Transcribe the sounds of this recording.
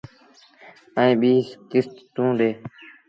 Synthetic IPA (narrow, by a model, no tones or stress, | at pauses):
əĩːɓiːskɪst̪ːũːɗ̪eː